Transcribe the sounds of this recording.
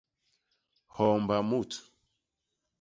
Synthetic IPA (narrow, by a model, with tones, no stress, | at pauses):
hɔ˨mba˨mu˦˨tʰu̥˨